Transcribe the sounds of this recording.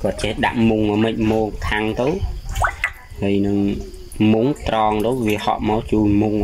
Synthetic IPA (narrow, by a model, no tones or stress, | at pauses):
kŏət̪̚t͡ɕehɗa̰ʔmuŋamɨc̚moːkʰaŋt̪ɨw | həəjnɨŋ | muŋt̪rɑːŋt̪əwʋiəhɑ̰ʔmaɔwt͡ɕuːnmuŋ